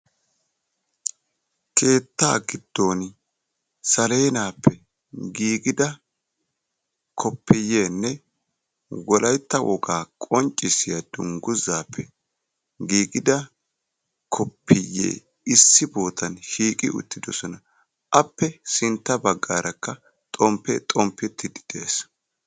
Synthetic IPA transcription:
kʰe̞ːt̪ːaːɡɪd̪̥ːoːn | sɐle̞ːnaːpːɛ | ɡiːɡɪd̪ɐ | kʰɔpʰːɪjːeːnːɛ | wɔlɐjt̪ːɐwɔ̰ɡaːkʼɔnt͡ʃʼːɪsɪjɐd̪ʊŋɡʊzaːpːɛ | ɡiːɡɪd̪ɐ | kʰɔpʰːɪjːḛː | ɪsːɪboːt̪ʰɐnʃiːkʼɪ̰ʔʊ̰t̪ːɪd̪ɔsɔnɐ | ʔɐpːɛsɪnt̪ːɐbɐɡːaːɾʔɐkːɐ | t̪ʼɔmpːɛ̰t̪ʼɔmpːɛt̪ːɪd̪ɪ̥d̪̥ḛːs

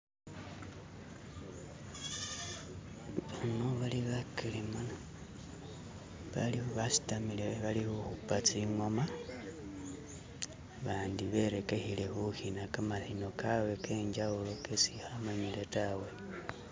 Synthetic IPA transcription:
βanoβaliβakilimana | βaliuβasi̥tamileβalihuxupat͡siŋwoma | βaːndiβe̞ɾe̞ke̞hile̞xuhinakamaθinokʰawe̞keɲd͡ʒaulo̞kesihamaɲiletawe

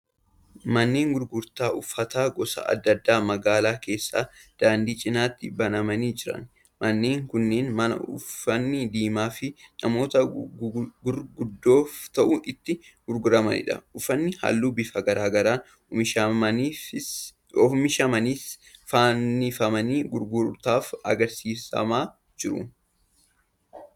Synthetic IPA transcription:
mɐnːe̞ːŋɡʊɾɡʊɾt̪aːʔʊfːɐt̪aːɡɔsɐ̰ɐ̰d̪ːɐd̪ːaːmɐɡaːlaːke̞ːsːaːd̪̥aːnd̪iːt͡ʃʼɪnaːt̪ːɪbɐnɐmɐniːd͡ʒɪɾɐ̰n | mɐnːe̞ːŋkʊnːe̞ːnmɐnɐ̰ʊ̰fːɐnːɪd̪iːmaːfɪnɐmo̞ːt̪ɐ | ɡʊɾɡʊd̪ːo̞ːft̪ɐʔuʔɪt̪ːɪ | ɡ̥ʊɾɡʊɾɐmɐnɪ̰ᶑɐ̰ʊfːɐnːɪha̰lːuːbɪfɐɡɐɾaːɡɐɾaː | ɪʃɐmɐɪ | ɔmɪʃɐmɐniːsfanːɪfɐmɐniːɡʊɾɡʊɾt̪aːfɐ̰ɡɐɾsiːsɐ̰maː | d͡ʒɪɾʊ̰

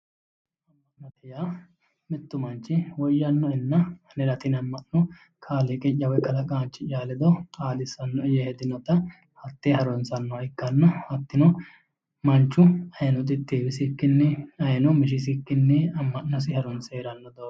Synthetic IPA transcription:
ɐmːɐnɐt̪ɪjaː | mɪt̪ːʊmɐnt͡ʃːɪwɔjːɐnːɔɛnːɐnɛɾɐt̪ɪnɐmːɐʔːɔ | kʰaːleːkʼɪt͡ʃːɐwɔjkʼɐlɐkʼaːnt͡ʃːɪt͡ʃʼaːlɛd̪ɔaːlɪsɐnːɔɪjɐhɛd̪ɪnɔt̪ɐ | hɐt̪ːehɐɾɔnsɐnːɔɪkːɐnːɔhɐt̪ːɪnɔ | mɐnt͡ʃːʊɐjɐnɔt̪ʼɪt̪ʼːeːbɪsɪkːɪnːɛɐjnɔmɪʃ̬ɪs̬ɪkːɪnːɛɐmːɐʔːɔs̬ɪhɐɾɔnseːɾɐnːɔd̪oː

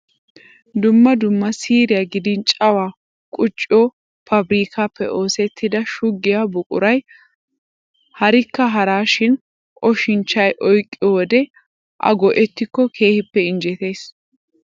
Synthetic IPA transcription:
d̪ʊmːɐd̪ʊmːɐsiːɾɪjaɡɪd̪ɪnt͡ʃʼɐwaː | kʼʊt͡ʃʼːɪɔː | fɐbɾiːkaːpːɛ̰ʔo̞ːsɛt̪ːɪd̪ɐʃʊɡːɪjabʊkʼʊ̰ɾɐj | hɐɾɪkːɐɦɐɾaːʃɪn | ʔɔʃɪnt͡ʃːɐjʔɔjkʼːɪɔwɔd̪ɛ | ʔɐ̰ɡɔʔɛt̪ːɪkːɔkʰe̞ːhɪpːɛɪnd͡ʒɛt̪e̞ːs

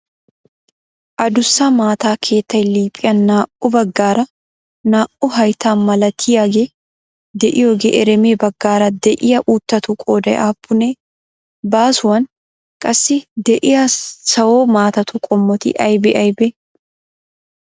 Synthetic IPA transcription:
ʔɐd̪ʊsːamaːt̪aːkʰe̞ːt̪ːɐjliːpʼːɪjɐnːaːʔɔbɐɡːaːɾɐ | naːʔʊɦɐjt̪aːnmɐlɐt̪ʰiːɐɡe | d̪ɛʔɪjoːɡɛʔɛɾɛmeːbɐɡːaːɾɐd̪ɛʔɪjɐʔuːt̪ːɐt̪ukʼoːd̪ɐʔaːpʰːʊneː | baːsʊwɐn | kʼɐsːɪd̪ɛʔɪjɐsɐwoːmaːt̪ɐt̪ukʼɔmːɔt̪ɪ̰ʔɐjbɛʔɐjbɛ

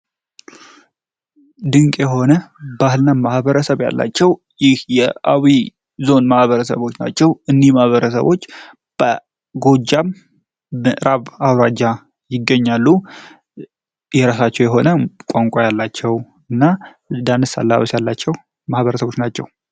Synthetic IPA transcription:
d̪ɨŋkʼjɛɦo̞nəbahɨlnamahbəɾəsəβja̰lːa̰t͡ʃːɛw | jɪhjɛawi | zo̞nmahβəɾəsə̰βo̞t͡ʃːna̰t͡ʃːɛwɨnːihmahβəɾəsə̰βo̞t͡ʃː | b̥ə | ɡo̞d͡ʒam | ɨʔɾaβawɾad͡ʒa | jɪɡːəɲːalːu | jɛɾasat͡ʃːɛwjɛɦo̞nəkʷʼaŋkʷʼajalːat͡ʃːɛw | ɨnːa | d̪anɨsa̰lːa̰βəsjalːat͡ʃːɛw | mahβəɾəsəβo̞t͡ʃnat͡ʃːɛ̰w

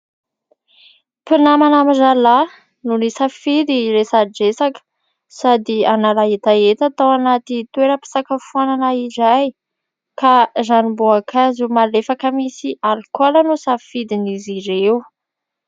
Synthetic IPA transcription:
pinamanamizala | nunisaffid̪iɾesaɖ͡ʐesakə̥ | sad̪ianalaɦet̪aet̪at̪awanat̪it̪weɾəpi̥sakəfuananaizaj | kazaniboakʰazumalefakəmisialkalanusaffid̪iniziɾeu

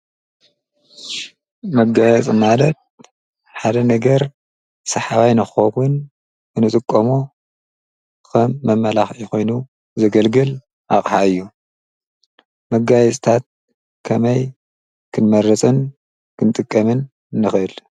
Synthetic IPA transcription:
mɐɡajɛt͡sʼɨmalɐt̪̚ | ħad̪ɐnɐɡɐɾ | sɐħawajnɨxxowun | ɨnɨt̪ʼɨkʼːɐmu | kʰɐmːɐmːɐlaxixo̞jnu | zɐɡɐlɡɨl | ʔaχʼħaɨjːu | mɐɡajɛt͡sʼt̪ʰat̪̚ | kʰɐmɐj | kʰɨnmɐrɐt͡sʼɨn | kʰɨnt̪ʼɨkʼːɐmɨnː | ɨxʔɨl

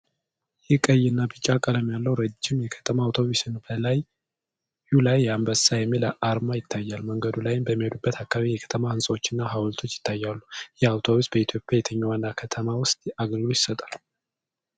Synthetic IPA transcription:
jɪhkʼəjnːabɨt͡ʃʼːakʼələmjalːəwɾəd͡ʒːɪmjɛkʰə̥t̪ʰəmaːwt̪ʰo̞βusɨnbəlaj | julajːambəsajɛmːiləʔaɾmajɪt̪ʰːajːalməŋɡəd̪ulajɪmbəmːihod̪ubːət̪ʰakːaβiijɛkʰə̥t̪ʰəmahɨnsʼəwo̞t͡ʃːɪnːaɦawlt̪ʰo̞t͡ʃːjɪ̥t̪ʰːajːalːujɛawt̪ʰo̞βusbəit̪ʰjopʼjajɛt̪ʰəɲːawanːakʰət̪ʰəmawʊst̪ʼaɡəlɡɨlojɪsət̪ʼal

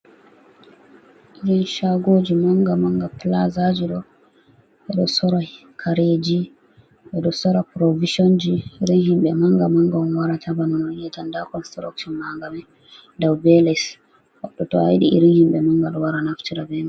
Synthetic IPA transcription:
ʔiɾinʃaɡod͡ʒimaŋɡamaŋɡaplazad͡ʒiɗɔ | ɓɛɗɔsɔɾa | kʰaɾed͡ʒi | ɓɛɗɔsɔɾapɾoviʃond͡ʒiɾinhimɓɛmaŋɡamaŋɡɔnwaɾatʰabanɔnɔijɛtandakɔnstɾa̰kʃɔnmaŋɡamɛ | dawbɛlɛs | wa̰ɗɔtɔa̰jɗḭʔḭɾinhimɓɛmaŋɡalwaɾanaftiɾabɛma

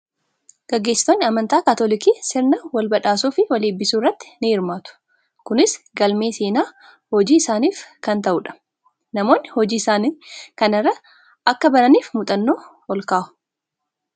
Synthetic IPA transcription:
ɡ̥ɐɡːe̞ːsːɪ̥t̪onːɪɐmɐnt̪aːkat̪olɪkiːsɪɾnɐwɐlbɐᶑaːsuːfɪwɐleːbːɪsuːɪrːɐt̪ːɪ̥nɪɪɾmaːt̪ʊ̥ | kʊnɪsɡɐlme̞ːseːnaː | hɔd͡ʒiːɪsaːniːfkɐnt̪ɐʔʊᶑɐ̥ | nɐmo̞ːnːɪhɔd͡ʒiːɪsaːnikɐnɪrːɐ | ʔɐkːɐbɐɾɐniːfmʊt̪ʼɐnːo̞ː | ɔlkaːhʊ̥

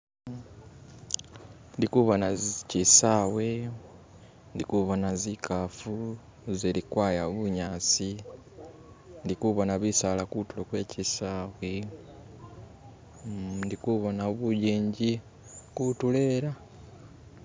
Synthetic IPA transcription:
ndikuβonazcisaːwe | ndikuβonazikʰafu | ziɾikwaːjaβuɲaːt͡si | ndikuβonaβisalakutulokweːcisaːwe | ndikuβonaβuɟiːɲɟi | kutule̞ɾa

